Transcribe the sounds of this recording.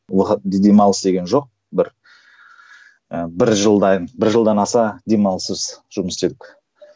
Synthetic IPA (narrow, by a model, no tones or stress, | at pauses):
wəqət̪̚d̪e̞mɑlˠəsd̪e̞ɡʲe̞nʒo̞q̚ | bɪɾ | əbɪɾʒəlˠd̪ɑnbɪɾʒəlˠd̪ɑnɑsɑd̪e̞mɑlˠsəzʒ̥ʊməsd̪e̞d̪ɪkʲ